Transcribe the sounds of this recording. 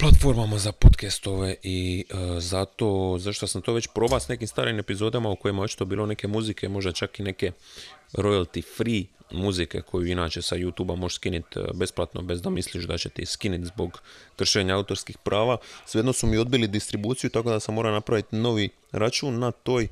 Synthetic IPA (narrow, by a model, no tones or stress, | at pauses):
plˠat̪fo̞ɾmamazapo̞t̪kɛst̪o̞ʋe̞ʔizat̪o̞ːzaʃt̪osamt̪o̞ʋet͡ɕpɾo̞ːbasne̞kimst̪a̰ːɾime̞pizo̞ːd̪amauko̞jimaot͡ʃi̥t̪obiːlˠo̞ne̞ke̞muzike̞mo̞ʒd̪at͡ʃakine̞ke̞ɾo̞jalˠt̪ifɾimuzike̞̰kʰo̞juinaːt͡ɕe̞sajut̪uːbamo̞ʃskinit̪be̞splˠat̪no̞̰be̞zd̪amisliʃd̪at͡ɕe̞t̪eiskinit̪zbo̞ɡkr̩ʃeːɲaaut̪o̞ɾskixpɾʔaːʋasijed̪nosumio̞d̪bilid̪ist̪ɾibuːt̪sijut̪ako̞d̪asamːo̞ːɾanapɾaʋit̪no̞ʋi | ɾat͡ʃuːnːat̪o̞ːj